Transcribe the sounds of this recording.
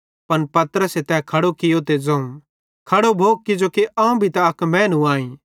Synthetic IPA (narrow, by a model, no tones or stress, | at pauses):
pɐnpɐt̪ɾəset̪ɛkʰɐɽokɪjot̪ed͡zɐ̃ũ | kʰɐɽobʱoːɡ̚kɪd͡ʒokeʔãːũbʱit̪ɐɐkmɛ̃ːnũaːĩː